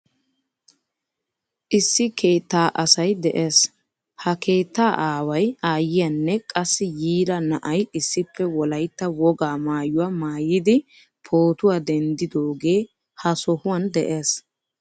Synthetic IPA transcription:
ʔɪsːɪkʰe̞ːt̪ːaːʔɐsɐjd̪ɛʔe̞ːs | hɐkʰe̞ːt̪ːaːʔaːwɐjaːjɪjɐnːɛkʼɐsːɪjiːlɐnɐʔɐjɪsːɪpʰːɛwɔlɐjt̪ːɐwɔɡaːmaːjʊwamaːjɪd̪ɪ | pʰoːt̪ʊwad̪ɛnd̪ɪd̪oːɡe̞ː | hɐsɔhʊwɐnd̪ɛʔe̞ːs

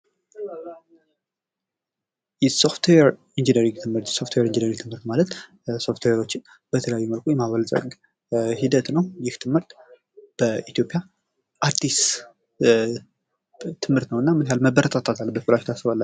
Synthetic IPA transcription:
jɛso̞ft̪ʰweɛɾ | ind͡ʒinəɾiŋt̪ʰɨmhɨɾt̪so̞ft̪ʰweɾind͡ʒinəɾiŋɡt̪ʰɨmhɨɾt̪malət̪ | so̞ft̪ʰweɾo̞t͡ʃːɪn | b̥ət̪ʰələjajːuməlkʰojɛmaβəlsʼə̰ɡ | hid̪ət̪nəwjɪht̪ʰɨmhɨɾt̪ | b̥əʔit̪ijo̞pʼja | ʔaɾd̪is | t̪ʰɨmhɨɾt̪nəwɨnːamɨnjalməbəɾət̪ʰʼat̪ʰat̪ʰalːbət̪kulaʃt̪ʰasːɨβalːə

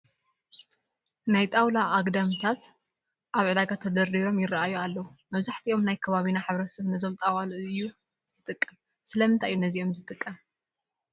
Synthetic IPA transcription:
najt̪ʼawlaːɡd̪amt̪ʰat̪ | ʔaβʕɨd̪aɡat̪ʰːɐd̪ɐɾiɾo̞mjɪraʔajualːɐwumɐβzaħt̪ʰiʔo̞mnajkʰɐβaβinaħɨβɾɐsɐβnɐzo̞mt̪ʼawalɨjːu | z̥ɨt̪ʼɨkʼːɐm | sɨlɐmɨnt̪ʰaʔjːunɐziʔo̞mzɨt̪ʼɨkʼːɐm

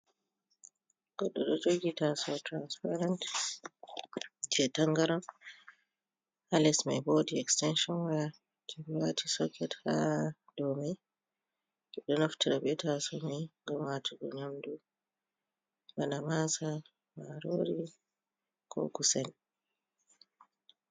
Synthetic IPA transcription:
ɡ̥ɔɗːɔɗɔd͡ʒoɡitasɔtɾanspaɾant | d͡ʒɛtaŋɡaɾɔm | halɛsmajboːdiɛkstɛnʃɔnwaja | tʰɛbiwatʰisɔkɛtha | dɔmaj | ɛɗɔnoftiɾabɛtasɔmajŋɡamwatʰiɡɔ̰ɲamdu | ɡanamasa | maɾoɾi | kʰɔ̰kusɛn

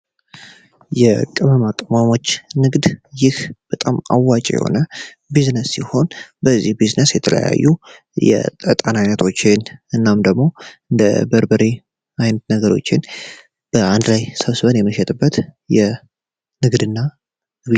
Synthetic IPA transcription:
jɛkʼɨməmakʼəmʷamo̞t͡ʃːnɨɡd̪jɪhb̥ət̪ʼama̰wːat͡ʃʼjɛ̰ho̞̰nə | biznəsːiho̞nbəzːihbiznəsjɛt̪ʰələ̰ja̰jːu | jɛ̰t̪ʼət̪ʼanajnət̪ʰo̞t͡ʃːɪnɨnːamd̪əɡmo̞ɨnd̪ə̰bəɾbəɾi | ʔajnət̪nəɡəɾo̞̰t͡ʃːɪn | b̥əand̪lajsəβsɨβənjɛməʃɛt̪ʼɨbːət̪jɛ | nɨɡd̪ɨnːa

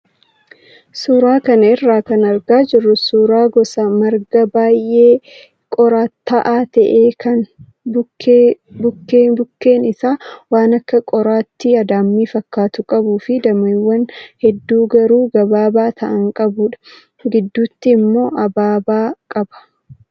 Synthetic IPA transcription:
suːɾaːkɐnɐɪrːaːkɐnɐɾɡaːd͡ʒɪrːʊsuːɾaːɡɔsɐmɐɾɡɐbaːjʔeː | kʼɔɾaːt̪ːɐʔaːt̪ɐʔeːkʰɐn | bʊkːeː | bʊkːeːbʊkːe̞ːnɪsaːwaːnɐkːɐkʼɔɾaːt̪ːɪɐd̪aːmːiːfɐkːaːt̪ʊkʼɐbuːfɪd̪ɐmiwːɐnhɛd̪ːuːɡɐɾuːɡɐbaːbaːt̪ʰɐʔɐŋkʼɐbʊᶑɐ̥ | ɡɪd̪ːuːt̪ːɪːmːo̞ːʔɐbaːbaːkʼɐbɐ̥

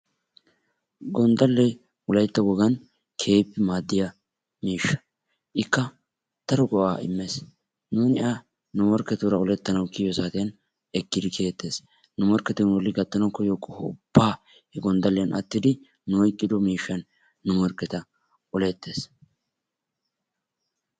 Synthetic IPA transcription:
ɡɔnd̪ɐlːɛj | ʊlɐjt̪ːɐwɔɡɐn | kʰe̞ːpːɪmaːd̪ːɪjɐ | miːʃːɐ̥ | ʔɪkːɐ | t̪ɐɾɔɡɔʔaːɪ̰mːes | nuːnɪʔa | nʊmɔɾkːɛt̪uɾɐɔlɛt̪ːɐnɐwkɪjɔsaːt̪ɪjɐn | ɛkːɪd̪ɪkʰe̞ːt̪ːe̞ːs | nʊmɔɾkɛt̪ɛnwɔlːɪɡɐt̪ʼːɐnɐwkːɔjɔkʼːɔhʊ̰b̥ːaː | hɛɡɔnd̪ɐlːɛjɐnʔɐ̰t̪ːɪd̪ɪ | nʊɔjkʼːɪd̪ɔmiːʃːɐnː | ʊmɔɾkːɛt̪ɐ | ɔlɛt̪ːe̞ːs

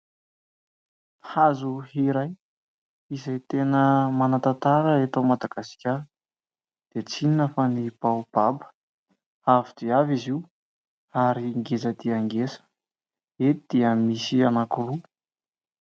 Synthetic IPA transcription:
hazuhiɾaj | izejt̪enəmanat̪at̪aɾəet̪omad̪aɡasi̥kʲa | d̪̥et͡sininəfanib̥awb̥abə̥ | avid̪̥iaviziw | aɾiŋɡezəd̪iaŋɡesə̥ | eid̪̥iəmisianakuɾu

